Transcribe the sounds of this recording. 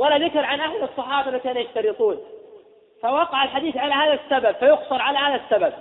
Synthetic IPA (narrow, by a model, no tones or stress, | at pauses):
walaðɪkɪɾʕanʔahlɨsˤːɨħɑːbmakaːnujaʃt̪ɑɾɨt̪ˤuːn | fawɑqɑʕalħad̪iːθʕalahaːðasːababfajʊqsɑɾˤʕalahaːðasːabab̚